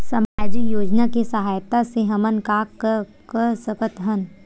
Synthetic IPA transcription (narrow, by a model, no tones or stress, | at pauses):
sɐmaːd͡ʒijoːd͡ʒnakesɐɦaːjt̪aseɦɐmənkaːkːə | kəɾsəkət̪ɦən